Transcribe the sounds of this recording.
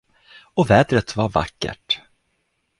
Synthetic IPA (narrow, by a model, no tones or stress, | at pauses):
ɔvɛːd̪ɾət̪vaɾva̰kːə̰ʈ